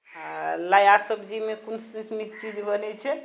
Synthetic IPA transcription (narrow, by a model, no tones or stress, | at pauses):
lajasəbd͡ʒimekunssmist͡ʃid͡ʒbənɛt͡ʃʰɛ